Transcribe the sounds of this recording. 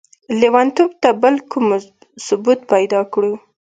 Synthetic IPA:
lewant̪ob̚t̪abəlkʰum | sʊbut̪pajd̪ɑkɽu

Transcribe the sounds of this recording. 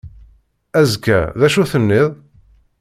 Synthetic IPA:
æzkːæ̰ðæʃuθənːɪðˤ

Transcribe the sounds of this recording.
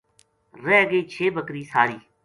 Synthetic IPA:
ɾɛːɡəiːt͡ʃʰeːbəkɾiːsaːɾiː

